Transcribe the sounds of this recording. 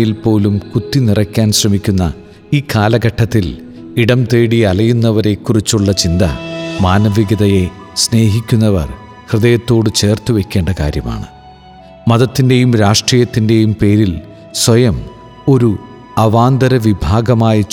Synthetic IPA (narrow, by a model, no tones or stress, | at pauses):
jilpo̞ːlumkut̪ːinirɐkʲːaːnɕrɐmikʲːunːɐ̰ | iːkaːlɐɡɐʈʰːɐt̪ːil | iɽɐmt̪eːɽiɐlɐjunːɐʋɐɾe̞kːurit͡ɕːuɭːɐt͡ɕind̪ɐ̰maːnɐʋiɡɐðɐje̞ | sne̞ːɦikʲːunːɐʋɐ̰r | hrɨðɐjɐt̪ːo̞ːɽɨt͡ɕe̞ːrt̪uʋe̞kʲːe̞ːɳɖɐka̰ːɾjɐma̰ːɳɨ̰ | mɐðɐt̪ːinde̞jumɾaːʂʈriːjɐt̪ːinde̞jumpe̞ːɾil | swɐjɐm | o̞ɾu | ɐʋaːnd̪ɐɾɐʋibʱaːɡɐmaːjɐt͡ɕ